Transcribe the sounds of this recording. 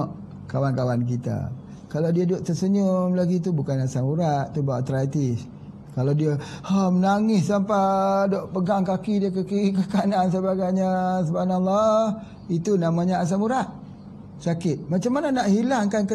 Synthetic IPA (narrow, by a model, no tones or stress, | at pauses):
ʔ | kawankawank̬it̪a̰ | kalawdiadʊʔ̚t̪əsəɲʊmlaɡit̪ubukanasamuɾaʔt̪ubawaʔt̪ɾat̪is | kalawdiaamənaŋɪssampadɔʔpəɡaŋkakidiakakikəkanansəbaɡajɲasubanalːa | it̪unamaɲaas̬amuɾaʔ | sakɪt̪̚mat͡ʃamːananaʔhilaŋkankə